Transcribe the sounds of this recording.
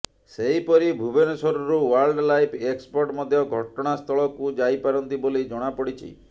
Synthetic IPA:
seɦipɔɾibʱubenɔsɔɾuɾuwaɾlɖlajpʰekspɔɾʈmɔd̪ʱjɔɡʱɔʈɔɽ̃ast̪ʰɔɭɔkud͡ʒajpaɾɔnt̪ibolid͡ʒɔɽ̃apɔɽit͡ʃʰḭ

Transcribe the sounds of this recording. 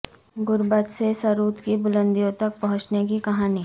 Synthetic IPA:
ɡʊɾbət̪sesɐɾuːt̪kibʊlə̃nd̪ijõt̪ɐk̚pɐɦʊ̃t͡ʃnek̬ikɐɦaːni

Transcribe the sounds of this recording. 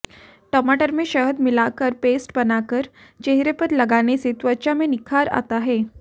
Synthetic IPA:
ʈɔmaʈəɾmeɕəɦəd̪milakəɾpesʈpənakəɾ | t͡ɕeɦɾepət̪ləɡaneset̪ʋəɾt͡ɕamenikʰaɾa̰t̪aɦe

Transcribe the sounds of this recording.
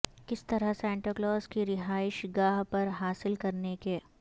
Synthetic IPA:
kɪst̪ɐɾəɦsɛ̃ːɳʈɾoklɔːzkiɾɪɦaːɪʃɡaːɦpɐɾɦaːsɪlkɐɾneke

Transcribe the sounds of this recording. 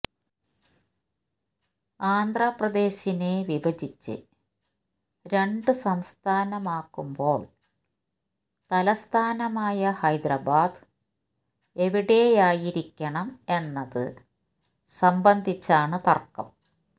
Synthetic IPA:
aːnd̪ʱrɐprɐd̪e̞ːɕine̞ʋiʋɐd͡ʑit͡ɕːɨ̰ | ɾe̞ɳɖɨsɐmst̪ʰaːnɐmaːkːumbo̞ːɭ | t̪ɐlɐst̪ʰaːnɐmaːjɐhɐjd̪rɐbaːd̪ | e̞ʋiɽe̞jaːjiɾikʲːɐɳɐme̞nːɐðɨ̰ | sɐmbɐnd̪ʱit͡ɕːaːɳɨt̪ɐrkːɐm

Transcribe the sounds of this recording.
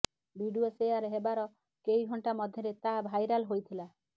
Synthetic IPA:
bʱiɖuɔsejaɾeɦebaɾɔ | kejɡʱɔɳʈamɔd̪ʱjɔɾet̪abʱajɾalɦojt̪ʰila

